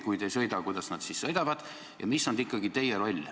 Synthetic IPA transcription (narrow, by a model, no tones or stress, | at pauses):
kujd̪ejsɤ̞jd̪ɑkujd̪̥ɑsnɑd̪sissɤ̞jd̪̥ɑvɑd̪̥ | jʔɑ̰misːond̪ikːˑɑɡit̪e̞jeɾo̞lʲ